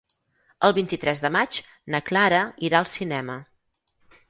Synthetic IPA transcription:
əlˠβint̪it̪ɾɛzðəmat͡ʃ | nəklaɾəiɾaəlˠsinɛmə

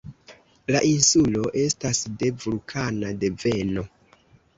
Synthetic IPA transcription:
laʔinsulo̞ʔe̞stasde̞vulkʰanade̞ve̞no̞

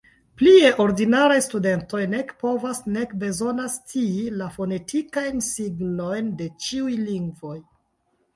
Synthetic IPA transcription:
plie̞ʔo̞ɾdinaɾajstude̞nto̞jne̞kpo̞vasne̞kbe̞zo̞nastʰiilafo̞ne̞tʰikajnsiɡno̞jnde̞t͡ʃiujliŋɡvo̞j

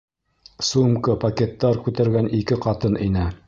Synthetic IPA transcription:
sumkɤpɐkʲet̪ːɑɾkʉt̪æɾɡænikɘqɑt̪ɤninɘ

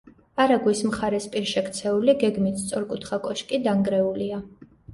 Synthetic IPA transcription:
aɾaɡwismχaɾɛspʼiɾʃɛkʰt̪sʰɛuliɡɛɡmit̪st̪sʼɔɾkʼut̪ʰχakʼɔʃkʼid̪aŋɡɾɛulia

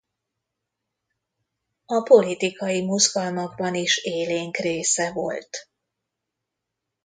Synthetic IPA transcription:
ɒpo̞lit̪ikɒjimuzɡɒlmɒɡbɒniʃeːleːŋkreːsɛvo̞̰lt̪

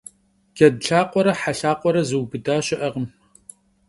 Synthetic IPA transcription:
ɡ̥ʲɐdɬaːqʷɔɾɐħaɬaːqʷɔɾɐzɨwbɨdaːɕɪʔɐʁəm

